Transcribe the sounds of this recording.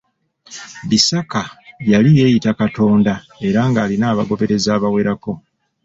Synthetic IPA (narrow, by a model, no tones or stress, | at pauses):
βisakajalije̞ːjitakato̞ːnda | e̞ɾaŋɡaːlinaːβaɡo̞βe̞ɾe̞zaːβawe̞ɾako̞